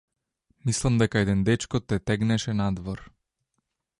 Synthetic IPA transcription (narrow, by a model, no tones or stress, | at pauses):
mislˠamd̪ɛkaɛd̪ɛnd̪ɛt͡ʃkɔt̪ːɛt̪ɛɡnɛʃɛnad̪vɔɾ